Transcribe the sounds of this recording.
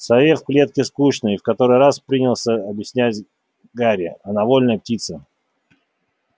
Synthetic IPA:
sɐvʲefplʲe̞t̪̚kʲɪskuɕnɨjfkɐt̪o̞ɾɨjɾaspɾʲinʲɪlˠsʲəɐbʲjɪsʲnʲætʲ | ɡaɾʲɪ̰ɐnɐvo̞lʲnəjp̚tʲit̪sə

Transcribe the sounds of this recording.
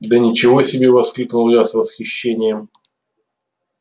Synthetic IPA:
d̪ənʲɪt͡ɕɪvosʲɪbʲevɐsklʲiknʊlˠlʲasvəsxʲɪɕːenʲɪjəm

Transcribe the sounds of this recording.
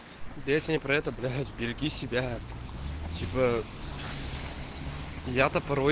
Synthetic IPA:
d̪ʲejtʲɪnʲɪpɾɐɛt̪əblʲajt̪bʲɪɾʲɪɡʲisʲɪbʲæ | tʲʰipə | jat̪əpɐɾo

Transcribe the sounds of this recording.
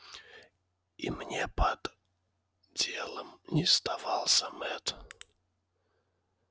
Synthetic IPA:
imnʲepəd̪̥ | dʲelˠəmnʲɪst̪avɑlˠsʲəmɛt̪

